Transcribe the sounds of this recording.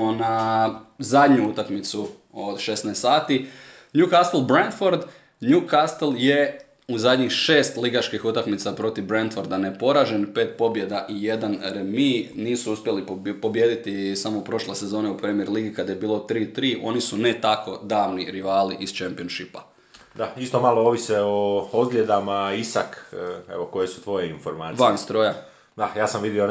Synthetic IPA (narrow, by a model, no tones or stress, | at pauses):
na | zad̪ɲuut̪akmit̪su | od̪ʃe̞snest̪saːt̪i | njukast̪elˠbɾend̪foɾd̪ | nukast̪elˠje̞ | uzad̪ɲixʃe̞ːst̪liɡat͡ʃkixut̪akmit̪sapɾo̞t̪iʋbɾent̪foɾd̪anepo̞ɾaʒenpe̞ːt̪̚po̞bje̞d̪aʔije̞d̪anɾeminiːsuuspʲjelipo̞bje̞ːd̪it̪isamoupɾo̞ʃlesezo̞ːneupɾeːmjeɾliːɡikad̪aje̞biːlˠo̞t̪ɾiːt̪ɾiːʔo̞nisunet̪ako̞d̪aːʋniɾiʋaːliʔist͡ʃempionʃipa̰ | d̪aist̪o̞malooʋiseood̪ɡlʎʲe̞d̪amaisakḛʋo̞ko̞jesu̥t̪ʋo̞jeinfoɾmaːiʋanst̪ɾoːja | d̪ajaːsamʋid̪io